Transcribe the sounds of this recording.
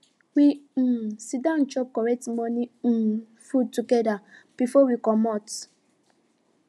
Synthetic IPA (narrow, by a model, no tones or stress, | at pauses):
wi | sidãnt͡ʃɔp̚kɔɹɛtmɔni | fud̚tuɡɛdab̥ifɔwikɔmɔt